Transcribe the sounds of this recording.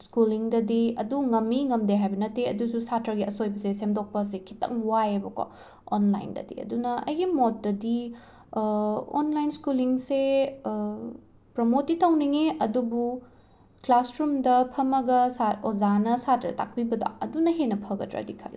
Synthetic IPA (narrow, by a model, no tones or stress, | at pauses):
skuliŋdɐdiɐ̰duŋɐmːiŋɐmdeɦajbɐnɐtːeɐ̰dususatɐɾɡiɐsojbɐsesemdok̚pɐs̬ekʰi̥tɐ̰ŋwajɐbɐka̰ | o̰nla̰jndɐ̰dḭɐ̰dunɐɐ̰jɡimot̚dɐdi | o̰nlajnskuliŋse | pɾomotitɐwniŋeɐdubu | klasɾumdɐpʰɐmɐɡɐsaozanɐsatɾɐ̰ta̰k̚pibɐda̰ɐdunɐɦenɐpʰɐɡɐtɾa̰dikʰɐ̰l